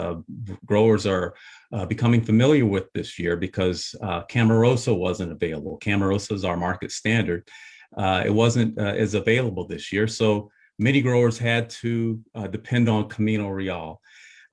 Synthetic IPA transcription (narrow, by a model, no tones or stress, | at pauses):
ɡ̥ɹoʊə˞zə˞bɨkʰʌ̃mɪ̃ŋfɨmɪlˠjə˞wɪðɪsjɪɹbɨkʰʌz̥kʰæmə˞oʊsoʊwʌzɨ̃ntəveɪlˠəbl̩ˠkʰæ̃mə˞oʊsoʊzaʊə˞mɑɹkɨtstæ̃ndə˞d̥̚ | ɪ̰t̚wʌzɨ̃ntɨ̰zɨveɪlˠəbl̩ˠðɪsjɪɹsoʊ | mɛñiɡɹoʊə˞z̥ɨd̚tʰɨdɨpʰɛ̃ndn̩kʰəmĩñoɹiɔlˠ